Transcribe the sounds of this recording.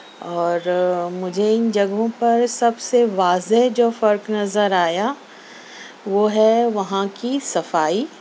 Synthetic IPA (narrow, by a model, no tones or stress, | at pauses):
ɔːɾmʊd͡ʒʱeɪnd͡ʒɐɡõpɐɾsɐbseʋaːzeɦd͡ʒoːfɐɾknɐzəɾaːja | ʋoːɦɛʋɐɦãkisɐfaːiː